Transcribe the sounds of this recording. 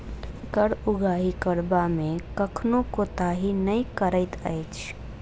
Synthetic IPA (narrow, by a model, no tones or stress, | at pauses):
kəɽʊɡʱaːɦikəɽbamẽkəkʰnõkot̪aɦinəikəɾəɪt̪əjt͡ʃʰ